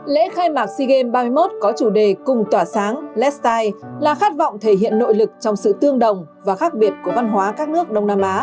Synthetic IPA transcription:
lḛ˧˥xaː˧jmaː˨˩k̚si˧ɣe˧mɓaː˧mɨ˧jmo˦˥t̚kɔ˨˦t͡ɕu˧˩ɗe˨˩kʊ˨˩ŋ͡mt̪waː˧˩saː˨˦ŋlɛ˦˥st̪aː˧jlaː˨˩xaː˦˥t̚vɔ̰˧˨wŋ͡mt̪ʰe˧˩ɦḭ˧˨ənːo̰˧˨jlɨ˨˩k̚t͡ɕɔ˧wŋ͡msɨ̰˧˨t̪ɨ˧əŋɗə˨˩wŋ͡mvaː˨˩xaː˦˥k̚ɓi˨˩ət̚ku˧˩əva˧nɦwaː˨˦kaː˦˥k̚nɨ˦˥ək̚ɗə˧wŋ͡mnaː˧mʔaː˨˦

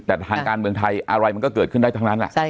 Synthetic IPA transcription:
t̪ɛː˨˩˧aː˨˩kaː˧nmɯ˧əŋt̪ʰa˧jʔa˧ɾa˧jma˧nkɔː˥˩kɤː˨˩t̪̚kʰɯ˥˩nda˥˩t̪ʰa˦˥na˦˥nla̰˨˩ʔt͡ɕ

